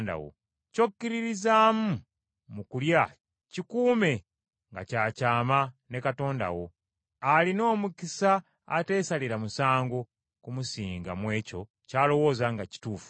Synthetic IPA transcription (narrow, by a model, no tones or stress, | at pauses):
nda̰wo̰ | co̞kːiɾiɾizaːmu | mukulja | cikuːme̞ | ŋɡa̰caːcaːmanekato̞ːnda̰wo̞ | alino̞ːmukisaː | te̞ːsaliɾamusaːŋɡo | kumusiːŋɡa̰mwe̞ːco̞ | caːlo̞wo̞ːzaŋɡaci̥tuːfu̥